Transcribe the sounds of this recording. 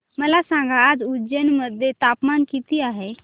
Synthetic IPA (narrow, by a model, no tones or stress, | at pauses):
məlasãŋɡaːd͡zud͡ʒənməd̪ʱjet̪apmankit̪iːaɦe